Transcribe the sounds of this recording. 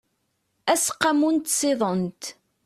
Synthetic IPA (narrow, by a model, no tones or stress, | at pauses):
æsqːamunt̪sɪðˤənt̪